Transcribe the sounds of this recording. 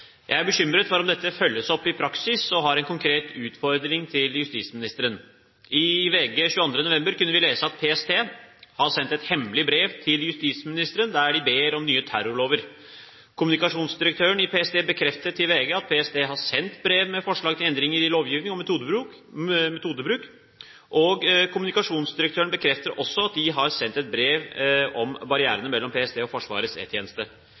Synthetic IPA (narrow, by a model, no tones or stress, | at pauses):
jʔæɪæbəɕʏmɾət̪fɔɾɔmd̪ɛt̪ʰːəfœlːəsɔpːɪpʰɾɑksɪsɔɦɑɾɛnkʰʊŋkʰɾeːt̪ʉːt̪fɔɾd̪ɾɪŋt̪ʰɪljʉst̪iːsmɪnɪst̪əɾən | ɪʋeːɡəɕʉːəɑnd̪ɾənʊʋɛmbəɾkʉnːəʋɪleːsəɑt̪̚pʰeɛst̪ʰeːhɑɾsɛnt̪ɛt̪hɛmlɪbɾeːʋt̪ʰɪljʉst̪ismɪnɪst̪əɾənd̪æɖɪbeːɾɔmnyːət̪ʰæ̰ɾʊɭoːʋəɾ | kʰʊmʉnɪkɑʂuːnsd̪ɪɾək̚t̪ʰøːəɳɪpʰeːɛsd̪eːbəkʰɾɛft̪əʈʰɪlʋeːɡəɑt̪̚pʰeːɛsd̪eːɦɑsɛnt̪bɾeːʋmɛfɔʂɭɑːɡt̪ʰɪlɛnd̪ɾɪŋəɾɪloːʋjiːʋnɪŋɔmt̪ud̪bɾʉ | mɛt̪ʰuːd̪əbɾʉːk | ʔɔɡkʰʊmʉnɪkɑʂuːnsd̪ɪɾəkt̪ʰøːɾəɳbəkʰɾɛft̪əɾʔɔsːɔɑt̪̚d̪ɪɦɑɾsɛnt̪ɛt̪̚bɾeːʋɔmbɑɾɪæ̰ːɾənəmɛlːɔmpʰeːɛseːɔfɔʂʋɑ̰ːɾəsɛ̰t̪ʰjeːnəst̪ə